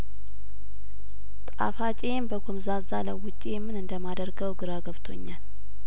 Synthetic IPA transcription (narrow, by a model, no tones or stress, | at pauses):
t̪ʼa̰fat͡ʃʼembəɡomzazaləwʊt͡ʃʼːijɛmːɨnɨnd̪əmad̪əɾɡəwɡɨɾaɡəβt̪ʰo̞̰ɲːal